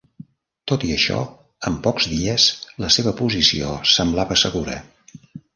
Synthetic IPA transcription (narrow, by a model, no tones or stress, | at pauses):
t̪ot̪iəʃɔ̰ | əmpɔkzðiəsləseβəpuzisḭo̰səmblaβəsəɣuɾə̰